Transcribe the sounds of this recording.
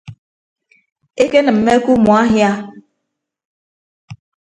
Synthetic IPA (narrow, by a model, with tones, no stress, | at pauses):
e˦ke˦nɨ˨m̩ː˨e˦ku˦mu˨a˦ɦja˦